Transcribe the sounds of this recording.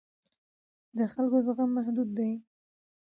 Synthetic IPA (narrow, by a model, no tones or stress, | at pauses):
d̪əxalkozəɣamːahd̪ud̪ːaj